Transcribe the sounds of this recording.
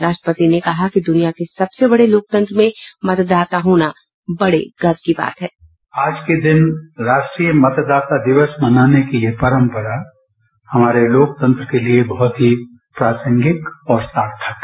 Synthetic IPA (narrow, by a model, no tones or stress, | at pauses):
ɾaːʃʈəpət̪inekɐɦakid̪ʊnijakesɐbsebɐɽeloːk̚t̪ə̃nt̪ɾəmẽmɐt̪d̪aːt̪aɦoːna | bɐɽḛɡɐt̪kiba̰ːt̪ɦɛː | aːd͡ʒked̪ɪnɾaːʃʈɾiːjəmɐt̪d̪aːt̪ad̪ɪʋəsmɐnaːnekeliepɐɾə̃mpəɾa | hɐmaːɾeloːk̚t̪ə̃nt̪ɾəkeliebɐɦʊt̪ɦi | pɾaːsə̃ŋɡɪkɔːɾsaːɾt̪ʰək